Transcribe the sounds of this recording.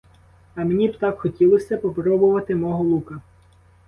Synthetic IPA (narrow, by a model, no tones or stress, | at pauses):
ɐmenʲibt̪ɑkxɔtʲilˠɔsʲɐpɔpɾɔbʊʋɐt̪ɪmɔɦɔlˠukɐ